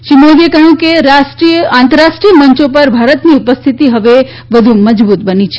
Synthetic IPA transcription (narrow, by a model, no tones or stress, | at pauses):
ʃimoʋiekəjũkeɾasʈɾiãnt̪əɾaʃʈɾijəməɲt͡ʃopəɾbʱaɾət̪niupəst̪ʰit̪iɦəʋe | ʋəd̪ʱuməd͡ʒbut̪̚bənit͡ʃʰ